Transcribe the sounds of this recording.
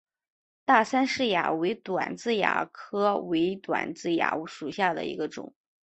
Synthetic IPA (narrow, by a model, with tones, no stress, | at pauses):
t̪a˥˩sa˥nʂɻ̩˥˩ja̰˨˩we˧˥ɪt̪wa̰˨˩nt͡sɹ̩˥˩ja̰˨˩kʰɤ˥we˧˥ɪt̪wa̰˨˩nt͡sɹ̩˥˩ja̰˨˩u˥˩ʂu˨˩ɕja˥˩d̪ə̰˩ḭ˧˥ɡə˧ʈ͡ʂʊ̰˨˩˦ŋ